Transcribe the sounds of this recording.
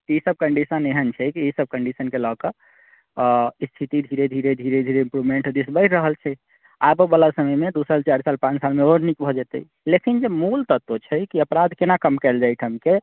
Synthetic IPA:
k̪iisəb̚kəɳɖisəneɦənt͡ʃʰɛkiisəb̚kəɳɖisənkelɔkə | st̪ʰit̪id̪ʱiɾed̪ʱiɾed̪ʱiɾed̪ʱiɾeimpɾubmeɳʈd̪isbəɪʈɾəɦəlt͡ʃʰɛ | abobəlasəməjmed̪usəlt͡ʃaɾsalpãt͡ʃsalmeoɾnikbʱɔd͡ʒɛt̪ə̰i | lekind͡ʒemult̪ət̪ːot͡ʃʰɛkiəpɾad̪ʱkenakəmkɛld͡ʒajʈ̪ʰəmke

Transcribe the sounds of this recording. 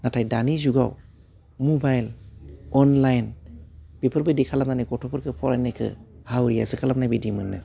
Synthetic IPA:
natʰajdanizuɡaw | mubajlɔnlajnb̥ipʰɯɾbɯjdikʰalap̚nanajɡɔtʰɔpʰɯɾkʰɯpʰɔɾajnajkʰɯ̰hawɾija̰zɯkʰalap̚najbidimɯnːɯ

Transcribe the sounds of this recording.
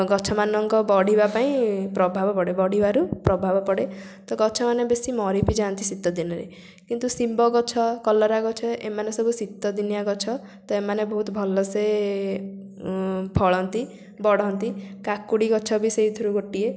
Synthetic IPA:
ɡɔt͡ʃʰɔmanɔŋkɔbɔɽ̤ibapaĩpɾɔbʱabɔpɔɽebɔɽ̤ibaɾupɾɔbʱabɔpɔɽe | t̪ɔɡɔt͡ʃʰɔmanebesimɔɾipid͡ʒant̪isit̪ːɔd̪inɔɾḛ | kint̪usimbɔɡɔt͡ʃʰɔkɔlɔɾaɡɔt͡ʃʰɔʔḛmanesɔbʱusit̪ːɔd̪inijaɡɔt͡ʃʰɔ | t̪ɔemanebɔɦut̪ɔbʱɔlɔse | pʰɔɭɔnt̪i | bɔɽɔɦnt̪ikakːuɽiɡɔt͡ʃʰɔbiseɦit̪ʰuɾuɡoʈie

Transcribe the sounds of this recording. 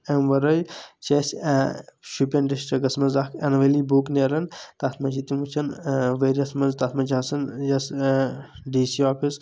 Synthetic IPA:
emʋɐɾɐjt͡ʃesʲ | ʃupʲɐnɖesʈɐɡɐsmɐzakʰɐnʋɐliːbuːkneɾɐnt̪asʰmɐt͡ʃit̪imut͡ʃʰɐnʋeːɾiɐsmɐzt̪at̪ʰmɐd͡ʒaːsɐnjɐs | ɖiːsiɔːpʰis

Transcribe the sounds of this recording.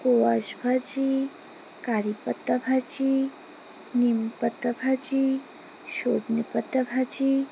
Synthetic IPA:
koʋaʃbʱat͡ʃi | kaɾipət̪ːɐbʱat͡ʃi | nimpət̪ɐbʱat͡ʃi | ʃoːd͡znipət̪ːɐbʱat͡ʃi

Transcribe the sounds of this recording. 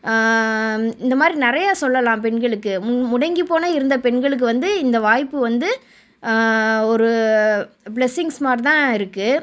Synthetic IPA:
ɪnd̪ɐmaːd̪ɾinɪɾɐjaːsɔlːɐlãːpɛɳɡɐɭɯkːɯmʊɽɐŋɡipːoːnɐɪɾɯnd̪ɐpɛɳɡɐɭɯk̬ːɯʋɐnd̪ɯɪnd̪ɐʋaːjpːɯʋɐnd̪ɯ | ɔɾɯ | bɭɛsɪŋsmaːɾt̪ãːɪɾɯkːɯ

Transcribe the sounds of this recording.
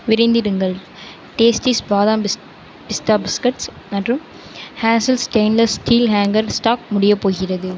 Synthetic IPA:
ʋɪɾɐɪnd̪ɪɾɯŋɡɐɭ | ʈeːsʈisbaːðaːm | pɪst̪aːbɪskɐʈs | nɐdrɯm | haːnsɐlsʈeɪnlɐsʈʰiːlɦaːŋɡɐɾsʈaːk̚mʊɽɪjɐpːoːɣɪrɐðɯ

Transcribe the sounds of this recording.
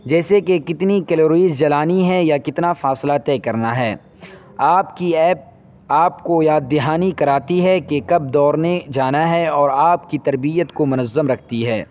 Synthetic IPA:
d͡ʒɛːsekekɪt̪nikɛloːɾiːzd͡ʒɐlaːniɦɛjakɪt̪nafaːslat̪ɛːkɐɾnaɦɛː | aːpkiɛːp̚ | aːpkojaːd̪ɪɦaːnikɐɾaːt̪iɦɛkekɐb̚d̪ɔːɾned͡ʒaːnaɦɛɔːɾaːpkit̪ɐɾbijət̪komʊnəzːəmɾɐkʰt̪iɦɛː

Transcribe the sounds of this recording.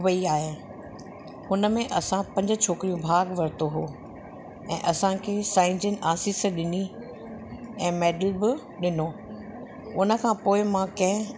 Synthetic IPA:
ʋəiaːɦe | hʊnəmẽʔɐsãpɐ̃ɲd͡ʑʊ̆t͡ɕʰoːkɪɾijũbʱaːɡʋɐɾɪt̪oɦoː | ɛ̃ːʔɐsãkʰeːsaːɪ̃ɲd͡ʑənɪ̆ʔaːsiːsɗɪni | ɛ̃ːmɛːɖəlbɪ | ɗɪnoː | ʊnə̆kʰãpoːɪmãkɐ̃ɦɪ̃

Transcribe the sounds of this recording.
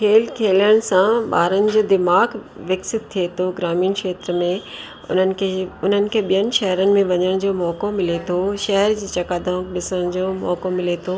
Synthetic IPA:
kʰeːlkʰeːləɽ̃̆sãɓa̰ːɾənɪ̆d͡ʑoːd̪ɪmaːɡʋɛksɪt̪̚ʰːiet̪ʰoɡɾaːmiːnkʃeːt̪ɾəmẽ | ʊ̰n̤ənɪ̆kʰeʊn̤ənɪ̆kʰeːɓijənɪ̆ʃɐɦɾənɪ̆mẽʋɐɲəɽ̃d͡ʑoːmɔːkomɪlet̪ʰoʃɐɦəɾd͡ʑiːt͡ɕɐkaːd̪ãkɗɪsəɽ̃d͡ʑoːmɔ̰ːkomɪlet̪ʰoː

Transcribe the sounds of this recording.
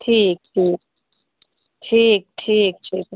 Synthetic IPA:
ʈʰiːk̚ʈʰiːk̚ | ʈʰiːk̚ʈʰiːk̚ʈʰiːk

